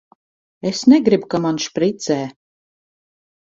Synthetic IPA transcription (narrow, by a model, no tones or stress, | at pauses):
esnɛɡɾibkamanʃpɾit̪sɛː